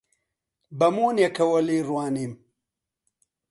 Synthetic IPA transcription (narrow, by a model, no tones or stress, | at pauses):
bɐmuːnjekʰɐwɐliːɾwaːnim